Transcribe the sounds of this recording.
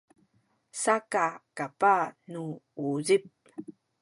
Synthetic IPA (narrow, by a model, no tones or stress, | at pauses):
sakakapanuuzip̚